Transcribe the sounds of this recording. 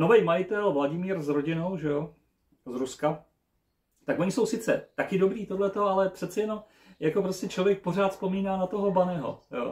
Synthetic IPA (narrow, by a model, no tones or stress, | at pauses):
no̞vɛjmajɪt̪ɛlvlaɟɪmiːɾzɾo̞ɟɪno̞wʒɛjo | zɾuska | t̪akʔoɲɪso̞wsɪt͡sɛ̰t̪akɪdo̞bɾiːt̪o̞dlɛt̪o̞alɛpr̝̥ɛt̪t͡sɛjɛno̞m | jako̞pɾo̞scɛt͡ʃlo̞vjɛk̚po̞raːt̪spo̞miːnaːnat̪o̞ɦo̞banɛɦo̞̰jo̰ː